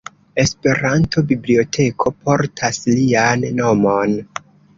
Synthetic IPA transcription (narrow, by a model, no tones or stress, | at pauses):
e̞spe̞ɾantʰo̞biblio̞tʰe̞kʰo̞pʰo̞ɾtʰaslianːo̞mo̞n